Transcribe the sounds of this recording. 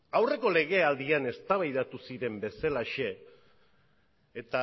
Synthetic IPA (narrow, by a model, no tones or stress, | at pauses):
awre̞ko̞le̞ɣe̞ald̪iane̞st̪aβajðat̪usiɾe̞mbe̞salaʃe̞ | t̪a